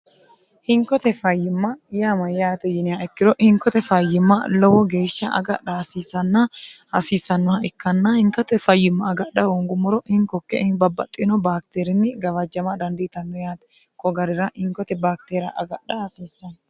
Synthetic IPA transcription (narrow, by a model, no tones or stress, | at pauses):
hɪŋkɔt̪ɛfɐjːɪmːɐjaːmɐjaːt̪ɛjɪnɪjaɛkːɪɾɔʔhɪŋkɔt̪ɛfɐjːɪmːɐlɔwɔɡe̞ːʃːɐɐ̰ɡɐɗɐhɐsiːsːɐnːɐhɐsiːsːɐnːɔhɐɪkːɐnːɐhɪŋkɔt̪ɛfɐjːɪmːɐɐɡɐɗɐwɔŋɡʊmːʊɾɔʔɪŋkɔkːɛ̰ʔɪŋbɐbːɐ̰t̪ʼːɪnɔbaːk̚t̪eːɾɪnːɪɡɐvɐd͡ʒːɐmɐd̪ɐnd̪ɪt̪ɐnːɔjaːt̪ɛ̥ | kʼɔɡɐɾɪɾɐʔɪŋkɔt̪ɛbaːk̚t̪eːɾɐ̰ʔɐɡɐɗɐhɐsiːsːɐn